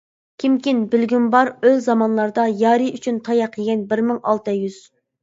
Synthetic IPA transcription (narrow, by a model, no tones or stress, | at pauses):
kʲʰimkʲinbɪlɡʲymbɑɾøzzɑmɑnlˠɑɾd̪ɑjɑːɾɨyt͡ʃʰynt̪ʰɑjɑqʰəɡʲɛnbɪɾmɪŋɑlˠt̪ɨjyz̥